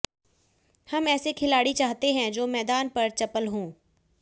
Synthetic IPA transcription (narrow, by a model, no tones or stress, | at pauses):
hɐmɛːsekʰɪlaːɽit͡ʃaːɦt̪eɦɛ̃d͡ʒoːmɛːd̪aːnpɐɾt͡ʃɐpəlɦõː